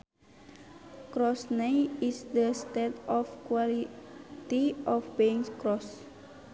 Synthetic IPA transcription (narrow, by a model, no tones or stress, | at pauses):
kɾɔsneisdəst̪etɔfkwalit̪iʔɔfbiŋskɹɔs